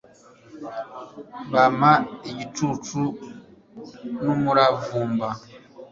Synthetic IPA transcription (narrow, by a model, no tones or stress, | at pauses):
βamaeɟitutu | numuɾavuːmba